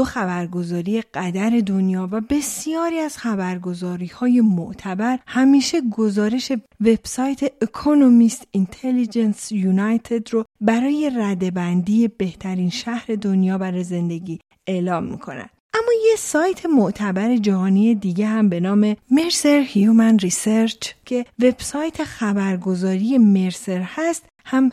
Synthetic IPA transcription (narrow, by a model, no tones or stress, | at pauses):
oxæbæɾɡo̞zɒːɾije̞ɡ̥æd̪æɾe̞d̪onjɒːvæbe̞sijɒːɾiæz̥xæbæɾɡo̞zɒːɾiːhɒːje̞moʔt̪ʰæbæɾhæmiːʃe̞ɡo̞zɒːɾe̞ʃe̞ | ve̞b̥sɒːjt̪ʰe̞ekʰonomist̪int̪ʰelid͡ʒensjunæjt̪ʰe̞d̪ɾobæɾɒːje̞ræd̪e̞bænd̪ije̞be̞ht̪ʰæɾinʃæhɾe̞d̪onjɒːbæɾɒːjeze̞nd̪e̞ɟiː | e̞lɒːmːḭkʰo̞̰næ̰ʔæmːɒːjesɒːjt̪ʰe̞moʔt̪ʰæbæɾe̞d͡ʒæhɒːnije̞d̪iːɟeɦæmbe̞nɒːme̞me̞ɾseɾhjumænriseɾt͡ʃʰcʰe̞ve̞b̥sɒːjt̪ʰe̞xæbæɾɡo̞zɒːɾije̞me̞ɾse̞ɾhæst̪ | hæm